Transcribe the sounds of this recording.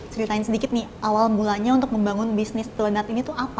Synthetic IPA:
t͡ʃəɾit̪aɪɲnsədikɪt̪̚nɪhʔawalmulaɲaunt̪ʊk̚məmbaŋʊnbisnɪst̪ələnat̪init̪uapa

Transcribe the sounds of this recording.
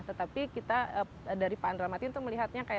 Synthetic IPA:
t̪ət̪apikit̪aə | daɾipaːndɾamat̪iunt̪ʊk̚məliɦat̪̚ɲakaja

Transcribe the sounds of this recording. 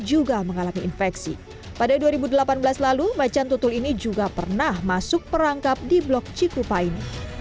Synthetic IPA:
d͡ʒuɡaməŋalamiːnfɛksḭ | padaduaɾibudəlapanbəlaslalumat͡ʃant̪ut̪ʊlinid͡ʒuɡapərnahmasʊk̚pəɾaŋkap̚diblɔk̚t͡ʃikupaini

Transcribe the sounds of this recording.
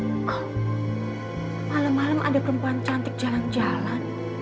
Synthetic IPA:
ka | malamːalamʔa̰dapəɾəmpuant͡ʃant̪ɪk̚d͡ʒaland͡ʒalan

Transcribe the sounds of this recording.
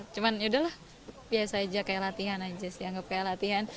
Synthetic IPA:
t͡ʃumanudahlah | biasaːd͡ʒakajalat̪iɦanad͡ʒasɪaŋɡap̚kajalat̪iɦan

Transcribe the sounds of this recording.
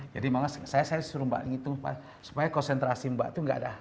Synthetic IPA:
d͡ʒa̰dimaŋassajasajaisuɾumba̰ʔniŋit̪uŋa̰a | su̥pajakɔnsɛnt̪ɾasimba̰ʔt̪uŋɡa̰dah

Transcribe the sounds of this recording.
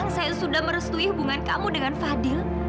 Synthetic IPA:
ŋsajasudahməɾəst̪uihubuŋankamudəŋanfadɪl

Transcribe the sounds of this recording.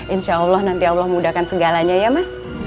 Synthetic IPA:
inʃaɔlːɔhnant̪iawlɔhməmudakansəɡalaɲajamas

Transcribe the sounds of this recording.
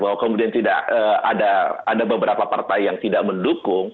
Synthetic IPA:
baɦwakəmudiant̪ida̰ʔəa̰daadabəbəɾapapart̪ajjaŋt̪idaʔməndukʊŋ

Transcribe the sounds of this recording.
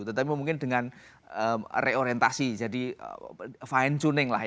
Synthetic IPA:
t̪ət̪apimuŋkɪndəŋan | əmreoɾiɛnt̪asid͡ʒadiə̰faint͡ʃunɪŋla̰h

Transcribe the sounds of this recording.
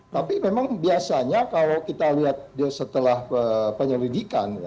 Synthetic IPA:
t̪apimemaŋbiasaɲakalowkit̪aliɦat̪̚diasət̪əlahəpəɲəlidikan

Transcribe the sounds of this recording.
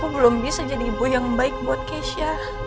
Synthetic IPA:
kubəlʊmbisad͡ʒadibʊhjaŋbaɪk̚buat̪̚keʃia

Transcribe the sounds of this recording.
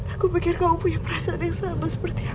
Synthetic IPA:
akupikɪrkaupujaŋpəɾasadəaŋsabasə̥pərt̪ia

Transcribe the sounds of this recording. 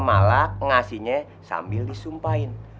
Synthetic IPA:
malaʔŋasiɲe | sa̰mbɪldisumpaɪn

